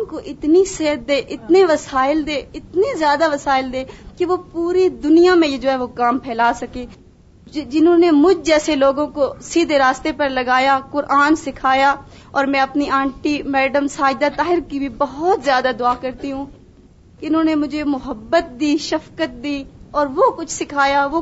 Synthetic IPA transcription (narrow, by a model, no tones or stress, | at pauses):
ʊnkoʔɪt̪niseɦd̪̚d̪eːʔɪt̪neʋɐsaːɪld̪eːɪt̪nizjaːd̪aʋɐsaːɪld̪eːkeʋopuːɾid̪ʊnijamẽjed͡ʒoːɦɛːʋokaːmpʰɛːlaːsɐkeː | d͡ʒɪnɦõːnemʊd͡ʒʱd͡ʒɛːseloːɡõkosiːd̪ʱeɾaːst̪epɐɾlɐɡaːjakʊɾʔaːnsɪkʰaːjaɔːɾmɛ̃ɐpniãːɳʈimɛːɖəmsaːd̪at̪aːɦɪɾkibʱibɐɦɔt̪zjaːd̪ad̪ʊaːkɐɾt̪iɦũː | keɪnõːnemʊd͡ʒʱemʊɦəbːət̪̚d̪iːʃɐfkət̪̚d̪iːɔːɾʋokʊt͡ʃʰsɪkʰaːjaʋo